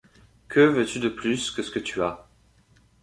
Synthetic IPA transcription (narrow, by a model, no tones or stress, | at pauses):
kʰəvøt̪yd̪əplyskəsə̥kət̪ya